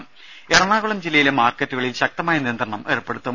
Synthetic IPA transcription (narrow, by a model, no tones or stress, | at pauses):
m | erɐɳaːɣuɭɐmd͡ʑilːɐjilemaːrkɐtːuɣɐɭilɕɐk̚t̪ɐmaːjɐnijɐnd̪rɐɳɐmerupːe̞ɽut̪ːɐ